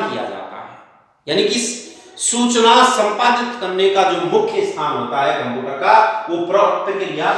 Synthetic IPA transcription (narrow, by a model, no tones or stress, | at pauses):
kija̰d͡ʒa̰ːt̪a̰ɦɛ̰ː | jaːnikisuːt͡ʃnasə̃mpaːd͡ʒɪt̪kəɾnekad͡ʒoːmʊkʰːjəst̪ʰaːnɦoːt̪aɦɛɡɐ̃mbʱukəkaʋopɾɔːt̪əkeɾija